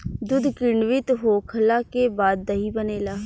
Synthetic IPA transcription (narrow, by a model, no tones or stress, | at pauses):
d̪ʊd̪kɪɳɖʋɪt̪ɦoːkʰəlaːkeːbaːd̪̚ːaiːbəneːlaː